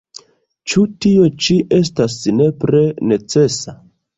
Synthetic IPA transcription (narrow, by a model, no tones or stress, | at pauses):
t͡ʃutio̞t͡ʃiʔe̞stasne̞pɾe̞ne̞t͡se̞sa